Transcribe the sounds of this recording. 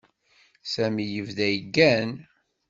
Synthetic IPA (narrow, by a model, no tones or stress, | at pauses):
sæmijəvðæjəɡːæn